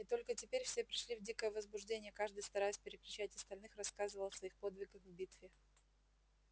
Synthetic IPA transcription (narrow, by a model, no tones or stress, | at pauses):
ɪt̪o̞lʲkətʲɪpʲeɾʲfsʲepɾʲɪʂlʲivdʲikəjəvəzbʊʐdʲenʲɪjəkaʐd̪ɨjst̪ɐɾajɪsʲpʲɪɾʲɪkɾʲɪt͡ɕætʲɐst̪ɐlʲnɨxrɐskazɨvəlˠsvɐixpo̞d̪vʲɪɡəxvbʲit̪vʲɪ